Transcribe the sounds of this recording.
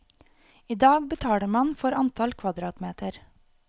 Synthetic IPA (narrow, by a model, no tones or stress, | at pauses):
iːd̪ɑːɡbət̪ʰɑːɽəɾmɑnfɔɾɑnt̪ʰɑlkʰʋɑd̪ɾɑːt̪meːt̪əɾ